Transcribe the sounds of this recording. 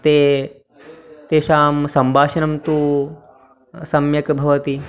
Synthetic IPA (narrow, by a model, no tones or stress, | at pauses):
t̪eː | t̪eːʃaːmsɐmbʱaːʂɐnɐmt̪uː | sɐmjɐkbʱɐʋɐt̪i